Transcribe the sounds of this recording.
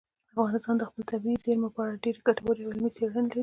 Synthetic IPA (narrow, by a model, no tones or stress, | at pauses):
afɣɑnɪst̪ɑnd̪əxpəlt̪abizeɾmapɑaɖeɾkaʈawɑɾejawɪlmit͡seɽənelaɾi